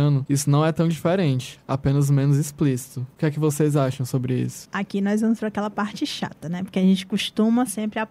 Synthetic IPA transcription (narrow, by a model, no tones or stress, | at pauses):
ɐ̃nʊisʊnɐ̃w̃ɛt̪ɐ̃w̃d͡ʒifeɾẽnt͡ʃɪ̥a̰pẽnɐzmẽnʊzisplisi̥t̪ʊʊkɪɛkɪvosejzaʃɐ̃w̃sobɾɪḭsʊ̥akinɔzvɐ̃mʊsfeɾakɛlɐpaɾt͡ʃɪʃa̰t̪ɐnɛpoɾkeaʒẽnt͡ʃɪ̥kuʃt̪ũmɐsẽmpɾɪa